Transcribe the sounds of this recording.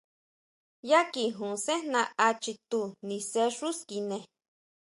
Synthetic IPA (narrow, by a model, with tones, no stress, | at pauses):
ja˦ki˨ɦũ˨se˦nã˧a˧t͡ʃi˧t̪u˧nĩ˧se˦ʂu˦ski˧nẽ˨